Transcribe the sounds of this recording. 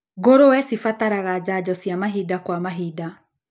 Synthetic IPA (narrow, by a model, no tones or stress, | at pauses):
ɣoɾowɛsifataɾaɣad͡ʑad͡ʑɔsjamaɦidakwamaɦida